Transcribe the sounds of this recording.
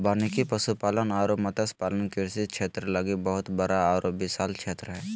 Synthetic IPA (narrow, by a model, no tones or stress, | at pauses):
baːnikipəsupaːlənaːɾoːpmət̪əspaːlənkɪɾsit̪̚t͡ʃʰeːt̪ɾələɡibəɦʊt̪bəɾaaːɾopbɪsaːlt͡ʃʰeːt̪ɾəɦɛː